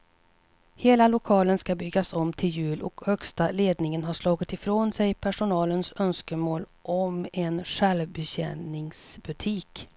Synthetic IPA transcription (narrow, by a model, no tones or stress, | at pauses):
heːlalʊkʰɑːlənskabʏɡːasɔmːt̪ʰɪljʉ̟ːlʔɔ̰khœkst̪aleːd̪nɪŋənɦaʂlɑːɡɪt̪ɪfɾoːnsɛjpʰæʂʊnɑːlənsœnskəmoːlʔɔmɛnʂɛlvbɛɕɛ̰nɪŋsbɵt̪ʰiːk